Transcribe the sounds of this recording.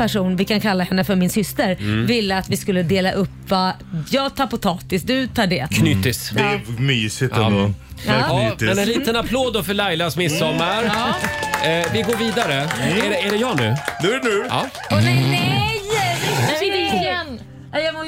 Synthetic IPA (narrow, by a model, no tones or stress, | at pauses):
pæʂuːnvɪkankʰalːahɛnːəfœɾmɪnsʏst̪əɾvɪlːəat̪vɪskɵlːəd̪eːlaʔɵpːvajɑːɡt̪ʰɑːɾpʊt̪ʰɑːt̪ɪsd̪ɵt̪ʰɑːɖɛːkʰnʏt̪ɪsd̪ɛmyːsɪt̪ː | mɛnɛnliːt̪ənapʰloːd̪ːɔfœɭajlasmɪsːɔmːaɾ | vɪɡoːɾviːd̪aɾəæɖɛæɖɛjɑːnʉ̟ːnʉɛnʉːɑ | nɛɛj | jɑm